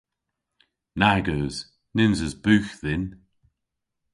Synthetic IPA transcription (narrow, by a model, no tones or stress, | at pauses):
naɡəːz̥ | nɪnzəzbʉːxðɪn